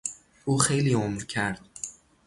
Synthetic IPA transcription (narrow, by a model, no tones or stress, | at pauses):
ʔuːxejliːomɾcʰæɾd̪̥̚